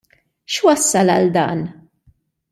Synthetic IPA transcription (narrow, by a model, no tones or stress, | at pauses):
ʃwɐsːɐlɐld̪ɐ̰ːn